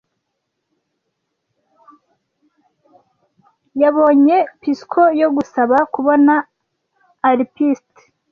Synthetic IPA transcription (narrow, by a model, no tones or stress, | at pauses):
jaβo̞ːɲe̞piskʰo̞jo̞ɡusaβakuβo̞naː | ɾipist